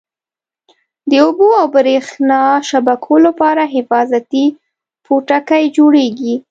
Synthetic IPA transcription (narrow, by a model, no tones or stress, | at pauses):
d̪əʊboawbɾexnɑʃabakʰolapɑɾaɦɪfɑzat̪i | pʰoʈakajd͡ʒoɽeɡi